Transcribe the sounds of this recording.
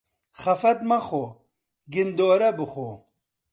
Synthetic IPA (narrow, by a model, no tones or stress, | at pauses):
χɐfɐt̪̚mɐχo | ɡind̪oːɾɐbɨχo